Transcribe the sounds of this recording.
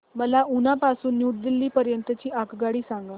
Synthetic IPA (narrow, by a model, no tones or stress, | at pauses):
məlaʔunapasuːnːjuːʈd̪ilːiːpəɾjənt̪ət͡ɕiːakɡaɽiːsaŋɡa